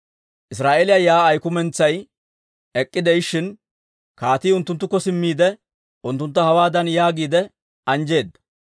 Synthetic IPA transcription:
ʔɪsɾaːʔelɪjajaːjkʊmɛnt͡sːɐj | ɛkʼːɪd̪ɛjʃːɪn | kaːt̪iːʊnt̪ːʊnt̪ːʊkːɔsɪmːiːd̪ɛ | ʊnt̪ːʊnt̪ːɐhɐwaːd̪ɐnjaːɡiːd̪ɛ | ɐnd͡ʒe̞ːd̪ːɐ̥

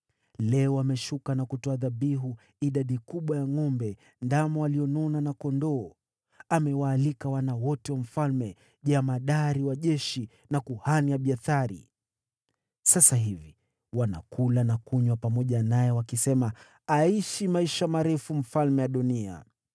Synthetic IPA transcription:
lɛɔwamɛʃukanakutɔaðaɓiɦu | iɗaɗikuɓwajaŋɔmbɛ | ndamɔwaliɔnɔnanakɔndɔː | amɛwaːlikawanawɔtɛwam̩falmɛ | ʄamaɗaɾiwaʄɛʃi | nakuhaniaɓiaθaɾḭ | sasaɦivi | wana̰kulanakuɲwapamɔʄanajɛwakisɛma | aiʃimaiʃamaɾɛfum̩falmɛjaɗunia̰

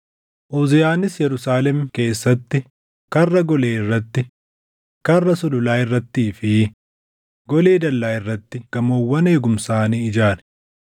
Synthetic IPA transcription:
ʔoːzɪjaːnɪsjɛɾʊsaːlɛmke̞ːsːɐt̪ːɪ | kɐrːɐɡɔleːɪrːɐt̪ːɪ | kɐrːɐsʊlʊlaːɪrːɐt̪ːiːfɪ | ɡɔleːd̪ɐlːaːɪrːɐt̪ːɪɡ̥ɐmo̞ːwːɐne̞ːɡʊmsaːniːɪd͡ʒaːnɛ̥

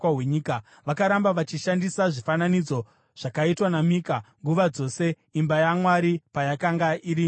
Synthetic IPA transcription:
awe̞ɲiːka | ʋakaɾambaʋat͡ʃiʃandisaʐifananid͡zo̞ | ʐ̥akaitwanamiːkaŋɡuʋad͡zo̞se̞ | imbajamwaɾipajakaŋɡaʔiɾi

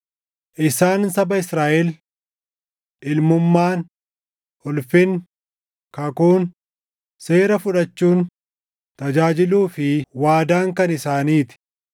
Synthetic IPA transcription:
ʔɪsaːnsɐbɐɪsɾaːʔɛl | ʔɪlmʊmːaːn | ʊlfɪn | kɐkuːn | seːɾɐfʊᶑɐt͡ʃːuːn | t̪ɐd͡ʒaːd͡ʒɪluːfɪwaːd̪aːŋkɐnɪsaːniːt̪ɪ̥

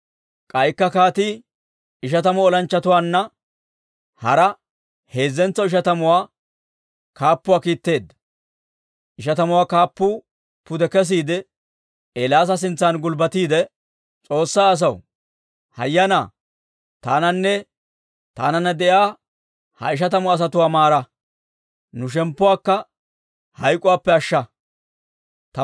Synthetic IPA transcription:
kʼɐjkːɐkaːt̪i | ɪʃ̬ɐt̪ɐmɔɔlɐnt͡ʃːɐt̪ʊwaːnːɐ | hɐɾɐ | he̞ːzːɛnt͡sːɔɪʃ̬ɐt̪ɐmʊwaː | kaːpːʊwaːkiːt̪ːe̞ːd̪ːɐ̥ | ʔɪʃɐt̪ɐmʊwaːkaːpːʊ | pʊd̪ɛkɛs̬iːd̪ɛ | elaːs̬ɐs̬ɪnt͡sːanɡʊlbɐt̪iːd̪ɛ | t͡sʼo̞ːsːaːɐs̬ɐw | hɐ̰jːɐna̰ː | t̪aːnɐnːɛ | t̪a̰ːnɐnːɐd̪ɛjaː | hɐ̰ɪʃ̬ɐt̪̬ɐmʊɐs̬ɐt̪ʊwaːmaːɾɐ | nʊʃ̬ɛmpːʊwaːkːɐ | hɐjkʼʊwaːpːɛɐʃːɐ | t̪ɐ

